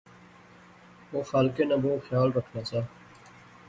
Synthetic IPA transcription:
ʋoːxaːlkenãboːxjaːlɾəkʰnaːsaː

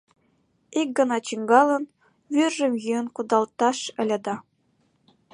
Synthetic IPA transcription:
ik̚ɡɤ̆nɑt͡ɕiŋɡɑlˠɤ̆n | βyrʒɘ̆mjyənkud̪ɑlˠt̪ɑʃɘ̆lʲɘ̆d̪ɑ

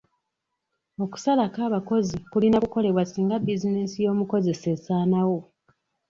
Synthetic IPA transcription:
o̞ku̥salakaːβako̞zikulinakuko̞le̞βwasiːŋɡabizinesijo̞ːmuko̞ze̞se̞sanawo̞

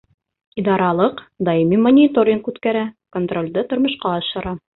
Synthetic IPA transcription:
id̪ɑɾɑlˠɤqd̪ɑimimonʲɪt̪o̞ɾʲɪŋkʉt̪kæɾækont̪ro̞lʲd̪ɤt̪ŏɾmɤ̆ʃqɑɑʃɤ̆ɾɑ

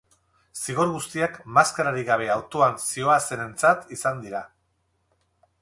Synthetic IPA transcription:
siɣ̞o̞ɾɣust̪iakmaskaɾaɾiɣaβ̞e̞awt̪oansio̞ase̞ne̞nt͡sat̪isand̪iɾa

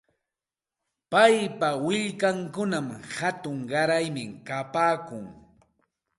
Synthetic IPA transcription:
pajpawɪʎkaŋkʊnamhat̪ʊŋɢɑɾajmɪkapaːkʊŋ

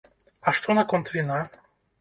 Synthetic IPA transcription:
aʂt̪ʰonakont̪vina

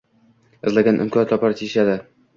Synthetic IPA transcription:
ɪzlaɡʲanʔɪ̰mkʲʰɒnat̪lɒpaɾt̪ʰiʃad̪ɪ

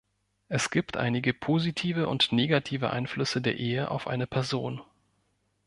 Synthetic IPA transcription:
ʔɛsɡ̥iːptʔa̰ɪnɪɡəpʰoːzitʰiːvəʔʊ̰ntneːɡatʰiːvə̰ʔa̰ɪnflʏsədeːɐʔeːəʔa̰ʊfʔa̰ɪnəpʰɛɐzoːn

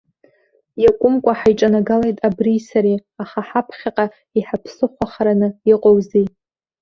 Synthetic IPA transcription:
jakʷʼʊmkʷʼaħajʈ͡ʂʼanaɡalajtʼabrisaɾiaχaħapʰχʲaqʼa | iħapʰsɨχʷaχaɾanɨiqʼowzi

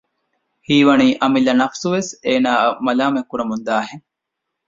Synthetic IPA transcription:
hiːʋɐniːʔɐmilɐnɐfsuʋeseːnaːmɐlaːmekːuɾɐmund̪aːɦeŋ

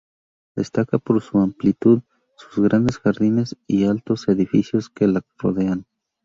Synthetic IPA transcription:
d̪e̞st̪akapo̞ɾsuamplit̪uð | su̥zɣɾand̪e̞sxaɾðine̞sialt̪o̞se̞ðifisjo̞ske̞laroðe̞an

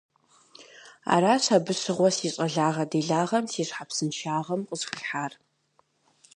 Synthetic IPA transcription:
a̰ːɾaːɕabɨɕɨʁʷɔsiːɕʼɐɮaːʁɐdeːɮaːʁɐmsiːɕħapsɨnʃaːʁɐmqʼəzxɨɬħaːr

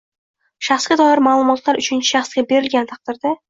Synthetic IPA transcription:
ʃaχsɡʲad̪ɒjɪɾmaːlˠʊmɒt̪laɾʊt͡ʃʰɪnt͡ʃʰɪ̥ʃaχsɡʲabe̞ɾɪlɡʲant̪ʰɑq̚d̪̥ɪɾd̪a

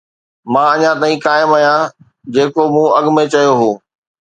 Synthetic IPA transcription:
mãːɐɲãt̪aːĩkaːɪmajã | d͡ʑeːkomũɐɠmẽt͡ɕɐjoɦoː

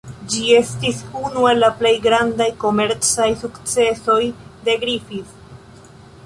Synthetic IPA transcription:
d͡ʒie̞stisunue̞lːaple̞jɡɾandajko̞me̞ɾt͡sajsukt͡se̞so̞jde̞ɡɾifis

